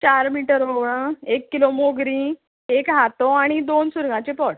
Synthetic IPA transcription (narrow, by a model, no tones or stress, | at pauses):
t͡ɕaɾmiʈəɾoɡɭə̃ekːilomoɡɾĩ | ekɦat̪oaɽ̃id̪onsuɾɡãt͡ɕepɔɽ